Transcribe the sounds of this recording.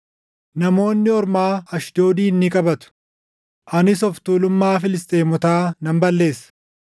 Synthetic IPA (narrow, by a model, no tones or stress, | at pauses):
nɐmo̞ːnːɪɔɾmaːɐʃd̪o̞ːd̪iːnːɪkʼɐbɐt̪ʊ̥ | ʔɐnɪsɔft̪uːlʊmːaːfɪlɪst̪ʼe̞ːmɔt̪aːnɐmbɐlːe̞ːsɐ̥